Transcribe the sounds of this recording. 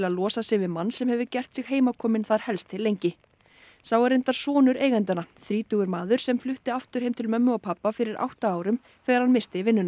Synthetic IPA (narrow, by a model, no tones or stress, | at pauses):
laðlɔːsasɪɣvɪðmanːsɛmhɛvʏcɛr̥t̪sɪɣɦeːjmakʰɔːmɪnθaɾ̥hɛlst̪ʰɪlːejɲcɪ | sawɛɾejnt̪aɾ̥sɔːnʏɾeːjɣɛnt̪anaθɾiːt̪ʏɣʏɾmaːðʏɾ̥sɛmflʏht̪ɪaft̪ʏɾ̥ejmt̪ʰɪlmœmːʏɔwpʰapːafɪɾɪɾʔa̰wht̪aaːwɾʏm | θɛːɣaɾ̥hanmɪst̪ɪɪvɪnːʏna